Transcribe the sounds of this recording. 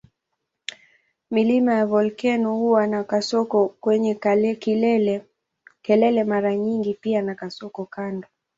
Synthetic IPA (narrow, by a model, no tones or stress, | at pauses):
milimajavɔlkɛnɔhuwanakasɔkɔkwɛɲɛkɛlɛ | kɛlɛlɛmaɾaɲiŋɡipianakasɔkɔkandɔ